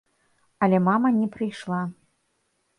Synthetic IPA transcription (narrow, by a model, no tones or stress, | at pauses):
ɐlʲɛmamɐnʲɛpɾɨjʂlˠa